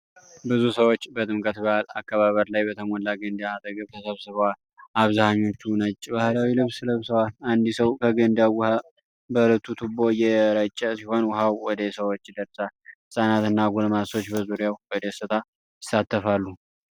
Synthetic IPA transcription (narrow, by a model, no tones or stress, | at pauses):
bɨzusəwo̞t͡ʃːbət̪ʼɨmkʼət̪bəala̰kʰːəβaβəɾlajbət̪ʰəmɔlːaɡənd̪aat̪ʼəɡəβt̪ʰəsəβsɨβəwal | aβzahaɲːo̞t͡ʃːunət͡ʃʼːbahlawilɨβslɨβsəwaland̪isəwkʰəɡənd̪awʊha | bələt̪ʰːut̪ʰɨbo̞jɛɾət͡ʃʼːəsiho̞nwʊɦawwɔd̪əsəwot͡ʃːd̪əɾsalhɨsʼanat̪ɨnːaɡulmaso̞t͡ʃːbəzuɾijawwɔd̪əsɨt̪ʼa | jɪsat̪ʰːəfalːu